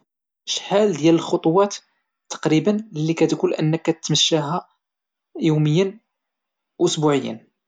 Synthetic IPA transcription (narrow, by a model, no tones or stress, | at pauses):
ʃħæld̪jæləlxot̪ˤwɑt̪ | t̪ːɑ̥qɾibənlːikæt̪kulʔənːəkːæt̪t̪ːməʃːæɦæ | juməjːən | ʔʊsbuʕəjːə̰n